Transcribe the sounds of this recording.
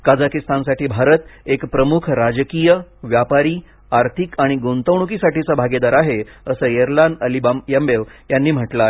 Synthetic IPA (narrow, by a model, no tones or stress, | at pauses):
kad͡zakist̪ansaʈiːbʱaɾət̪ekpɾəmukʰɾad͡ʑəkijəʋjapaɾiː | aɾt̪ʰikaɽ̃iɡont̪əwɳ̃ukiːsaʈiːt͡sabʱaɡed̪aɾaɦeəsəːjeɾlanəlibamjəmbeʋjanːiːm̤əʈla